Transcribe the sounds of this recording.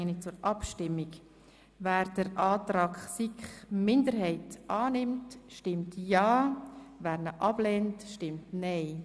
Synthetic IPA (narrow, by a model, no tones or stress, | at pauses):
nɪt͡sʊɾɑpʃtɪmːiɡ | væːɾd̥əɾʔɑːtɾɑːkχsikχmɪndəɾɦɛɪtʔɑːnɪmtʃtɪmtjɑːvæːɾnəʔɑb̥lɛːntʃtɪmtnɛɪ